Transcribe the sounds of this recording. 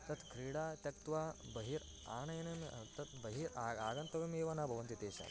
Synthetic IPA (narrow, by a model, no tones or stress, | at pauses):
t̪ɐt̪ʰkʰɾiːɽaːt̪jɐk̚t̪ʋaːbɐɦiːɾ | a̰ːɳɐjnɐmt̪ɐt̪bɐɦiːɾaaːɡɐnt̪ɐʋɐmeːʋɐnabʱɐʋɐnt̪it̪eːɕa̰